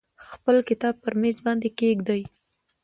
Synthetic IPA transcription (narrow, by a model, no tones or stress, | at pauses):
xpəlkɪt̪ɑb̚pəɾmezbɑnd̪ekeɡd̪aj